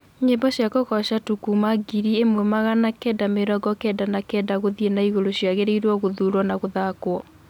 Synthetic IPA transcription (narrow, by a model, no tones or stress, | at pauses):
ɲembɔɕjakoɣɔɕatukumaɡiɾiemwɛmaɣanakɛdameɾɔɡɔkɛːdanakɛːdaɣoðienaiɣoɾoɕjaɣeɾeiɾwɔɣoðuɾwɔnaɣoðakwɔ